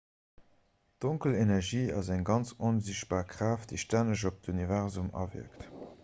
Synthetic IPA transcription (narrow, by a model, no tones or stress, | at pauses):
d̥oŋkəlenɛʁʒiːɑ̰zæŋɡɑnt͡sonziɕt̚b̥aːʁkʁaːfd̥əɪʃtænəʒ̬op̚dunivɛʁzumɑ̰vḭɐkt